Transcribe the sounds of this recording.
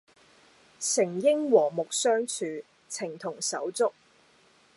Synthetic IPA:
sɪ˨˩ŋjɪ˥ŋwɔː˨˩mʊ˨k̚sœː˥ŋt͡ʃʰyː˨ | t͡sʰɪ˨˩ŋt̪ʰʊ˨˩ŋsɐ˨˥wt͡sʊ˥k̚

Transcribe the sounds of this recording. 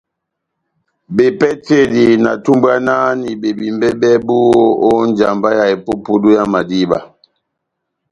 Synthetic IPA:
be˨pɛ˦te˦˨di˨na̰˨tu˦mbwa˦na˦ni˨be˨bi˨mbɛ˦bɛ˦bu˦wo˦o˦n˦d͡ʒa˨mba˦ja˨e˨po˦pu˦du˦ja˦ma˨di˦ba̰˨

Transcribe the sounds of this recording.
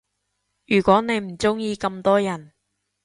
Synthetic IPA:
jyː˨˩kʷɔː˨˥ne˨˧jm̩˨˩t͡sʊ˥ŋjiː˧kɐ˧mt̪ɔː˥jɐ˨˩n

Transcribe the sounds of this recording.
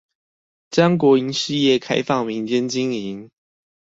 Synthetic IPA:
t͡ɕɑ˥ŋk̬wɔ˨˥i˧˦ŋʂɻ̩˥˧jɛ˥˨kʰa˥ɪfɑ˥˨ŋmi˨˦ŋt͡ɕjɛ˥˦nt͡ɕi˦ŋi˨˦n

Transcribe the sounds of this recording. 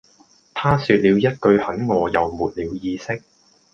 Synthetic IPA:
t̪ʰaː˥syː˧t̚liː˨˧wjɐ˥t̚kɵ˧ɥhɐ˨˥nŋɔː˨˧jɐ˨wmuː˨˩t̚liː˨˧wjiː˧sɪ˥k̚

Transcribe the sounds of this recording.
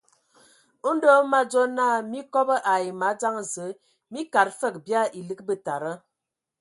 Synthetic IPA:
do˦ma˦d͡ʒo˦na˦mi˦kɔ˦bə˦ʔa˨i˨ma˨˦d͡za˦ŋ˨zə˨˦ | mi˦ka˨ɾfə˦˨k̚bja˦˨ʔi˨lɨ˦k̚bə˦ta˨ɾə˦

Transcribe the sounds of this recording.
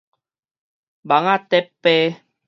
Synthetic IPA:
ba˨˦ŋa˦˨t̪ɛ˦pːɛ˦

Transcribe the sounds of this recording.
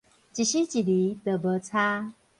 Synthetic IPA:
t͡ɕi˨ɕi˦t͡ɕi˨li˨˦t̪ə˨bə˨˦t͡sʰa˦

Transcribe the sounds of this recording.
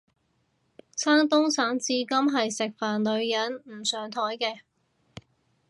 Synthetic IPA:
sʰaː˥ŋt̪ʊ˥ŋsaː˨˥ŋt͡siː˧kɐ˥mɦɐ˨jsɪ˨k̚faː˨˩nlɵ˨˧ɥjɐ˨˥nm̩˨˩sœː˨ŋt̪ʰɔː˨˥jkɛː˧

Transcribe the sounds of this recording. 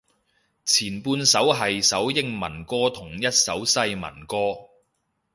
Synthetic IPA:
t͡sʰiː˨˩npuː˧nsɐ˨˥wɦɐ˨jsɐ˨˥wjɪ˥ŋmɐ̰˨˩nkɔː˥t̪ʰʊ˨˩ŋjɐ˥t̚sɐ˨˥wsɐ˧jmɐ̰˨˩nkɔː˥

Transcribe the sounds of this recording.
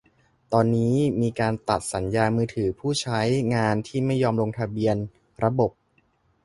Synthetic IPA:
t̪ɔː˧nːiː˦˥miː˧kaː˧nt̪a̰˨˩t̪̚sa˩˦njaː˧mɯː˧t̪ʰɯː˩˦pʰuː˥˩t͡ɕʰa˦˥jŋaː˧nt̪ʰiː˥˩ma˥˩jːɔː˧mɾo˧ŋt̪ʰa˧bi˧ən | ɾa˧bo˨˩p̚

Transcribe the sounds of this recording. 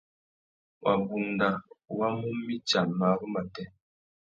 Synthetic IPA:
wʔa˨bu˨ŋnda˨wa˦mu˦mː˦i˦t͡ʃa˨nma˨˦ɣə˦ma˨tɛ˦

